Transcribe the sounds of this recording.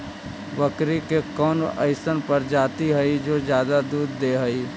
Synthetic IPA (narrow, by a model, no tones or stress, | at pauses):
bɐkɾikekɔːnə̰ɪsənpɐɾd͡ʒaːt̪iɦɐid͡ʒoːd͡ʒjaːd̪ad̪uːd̪ːeːɦɐi